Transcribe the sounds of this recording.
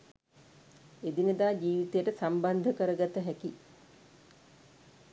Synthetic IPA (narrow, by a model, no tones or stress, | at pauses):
ed̪inəd̪aːd͡ʒiːʋit̪ejəʈəsamband̪ʱəkəɾəɡat̪əɦæki